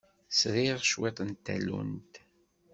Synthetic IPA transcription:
sɾiʁʃwet̪ˤənt̪ːæ̰lṵnt̪

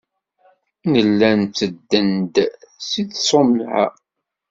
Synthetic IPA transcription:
nəlːænt͡sːəd̪ːənd̪siðsˤomlʕa̰

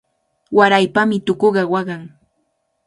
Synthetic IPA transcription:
waɾajpamɪt̪ʊkoɢɑwɑɢɑŋ

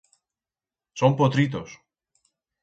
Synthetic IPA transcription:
sompot̪ɾit̪os

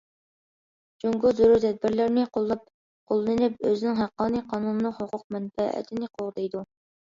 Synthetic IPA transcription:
d͡ʒoŋɡʊzʊɾuɾt̪ʰɛd̪̚bɪɾlɪɾnɪqʰolˠːɑp̚ | qʰolˠɨnɨnɪpøzɪnɪŋɦæqːɑːnijqʰɑːnunɨnɨhoqʰʊq̚mɛnfɛæ̰t̪ʰɪnɪqʰoʁd̪ejd̪u

